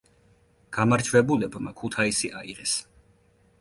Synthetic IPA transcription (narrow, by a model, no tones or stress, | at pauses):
ɡ̥amaɾt͡ʃʰvɛbulɛbmakʰut̪ʰaisiʔaiʁɛs